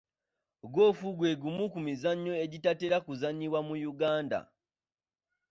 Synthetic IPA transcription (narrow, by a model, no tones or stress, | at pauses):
ɡoːfuɡwe̞ːɡumukumizaɲːo̞eɟitateɾakuzaɲiβwamujuɡaːnda̰